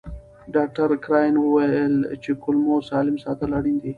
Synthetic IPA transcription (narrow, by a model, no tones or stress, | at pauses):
ɖaːk̚ʈɐɾkɾaːjnwʊwajəlt͡ʃekʊlmosaːlɪmsaːt̪əlaɽind̪i